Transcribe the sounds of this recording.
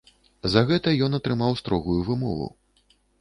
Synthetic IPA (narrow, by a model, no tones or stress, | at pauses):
zɐɣɛt̪ɐjɔnɐt̪ɾɨmawst̪ɾɔɣujuvɨmɔ̰vṵ